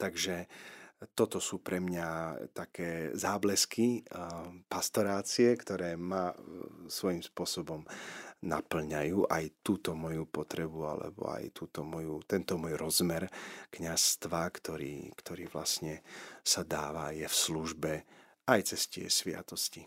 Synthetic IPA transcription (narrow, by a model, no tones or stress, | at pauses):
t̪aɡʒɛ | t̪ɔt̪ɔsuːpɾɛmɲat̪akɛːzaːblɛski | past̪ɔɾaːt͡siɛkt̪ɔɾɛːmasʋɔjimspʊɔsɔbɔmna̰pl̩ɲajuːʔajt̪uːt̪ɔmɔjupɔt̪ɾɛbua̰lɛ̰bɔ̰a̰jt̪uːt̪ɔmɔjut̪ɛnt̪ɔmɔjɾɔzmɛɾkɲast̪ʋakt̪ɔɾḭːkt̪ʰɔɾiːʋla̰sɲɛsad̪aːʋa̰jɛfsluʒbɛ | ajt͡sɛscɪɛ̰sʋɪa̰t̪ɔsci